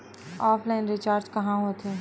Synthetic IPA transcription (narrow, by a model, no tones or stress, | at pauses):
ɔːpʰlaɪnɾɪt͡ʃaːɾd͡ʒkɐɦãɦoːt̪ɦeː